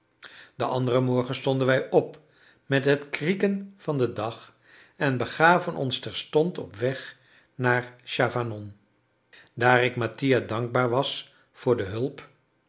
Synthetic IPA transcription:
d̥əʔɑ̰ndərəmɔɹχənstɔndənʋɛjʔɔp | mɛtɦətkrikənv̥ɑndədɑχ | ɛnbəχaːvənʔɔ̰nstɛɹstɔntɔpʋɛχ | naːɹʃaːfanɔn | daːrɪkmatijadɑŋɡ̚baːɹʋɑs | fʊːɹdəɦɵlˠp

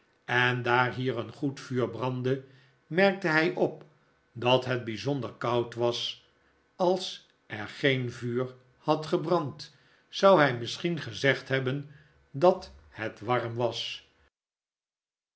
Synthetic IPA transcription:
ɛndaːɹɦiːʁənχutfyːɹbrɑndə | mɛɹk̚təɦɛjʔɔp̚ | dɑtɦɛd̚bizondəɹkɑwtʋɑs | ɑlˠs | ɛɹχejnvyːɹ | hɑtχəbrɑnt | sɑwɦɛjmɪsχinχəzɛχtɦɛbən | dɑthɛtʋɑɹmʋɑs

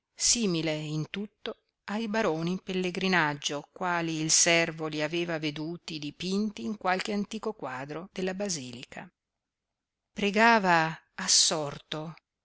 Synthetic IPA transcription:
siːmileint̪ut̪ːo | ajbaɾoːnipelːeɡɾinad͡ʒːokwaːliːlsɛrvoliaveːvaved̪uːt̪id̪ipint̪iːŋkwalk̟eant̪iːkokwaːd̪ɾod̪̥elːabaziːlikʰa̰ | pɾeɡaːvaː | sːɔrt̪o

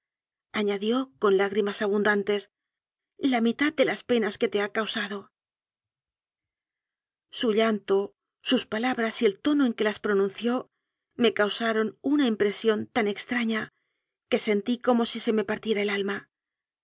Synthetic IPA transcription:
aɲaðjo̞ko̞nlaɣɾimasaβund̪ant̪e̞s | lamit̪aðd̪e̞laspe̞naske̞t̪e̞akawsaðo̞ | suʎant̪o̞ | suspalaβɾasie̞lt̪o̞no̞e̞ŋke̞laspɾo̞nũn̟θjo̞ | me̞kawsaɾo̞nunaimpɾe̞sjo̞nt̪ane̞kst̪ɾaɲa | ke̞se̞nt̪iko̞mo̞sise̞me̞paɾt̪je̞ɾae̞lalma

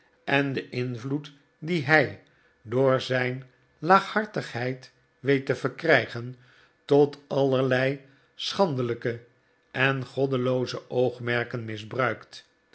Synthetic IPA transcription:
ʔɛndəʔɪnvlut | diɦɛj | dʊːɹzɛjn | laːχhɑɹtəχɦɛjt | ʋejtəv̥əɹkrɛjχən | tɔtɑləɹlɛj | sχɑndələkə | ɛnχɔdəlowzəʔowχmɛɹkənmɪzbrœɥkt

